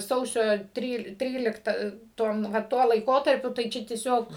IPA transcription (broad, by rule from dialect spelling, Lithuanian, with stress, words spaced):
ˈsɐʊsʲoː ˈtʲrʲiːlˠ ˈtʲrʲiːlʲɪktɐ ˈtoːm ʋɐ ˈtuɔ lˠɐɪˈkoːtɐrʲpʲʊ tɐɪ ˈt͡ʃʲɛ tʲiɛˈsʲoːk